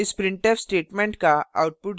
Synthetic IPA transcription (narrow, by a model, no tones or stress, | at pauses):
ɪspɾɪ̃ɳʈefsʈeːʈmẽɳʈkaa̰ʊʈ̚pʊʈ